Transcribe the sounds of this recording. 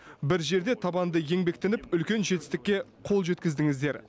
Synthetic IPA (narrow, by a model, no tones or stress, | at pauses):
bɪɾʒe̞ɾd̪e̞t̪ʰɑbɑnd̪əje̞ŋbe̞kt̪enɪpʏlkʲe̞nʒe̞t̪ɪst̪ɪkʲːe̞qʰo̞lˠʒe̞t̪kʲɪzd̪ɪŋɪzd̪e̞ɾ